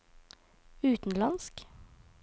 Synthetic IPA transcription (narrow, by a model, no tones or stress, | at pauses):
ʉːt̪n̩lɑnsk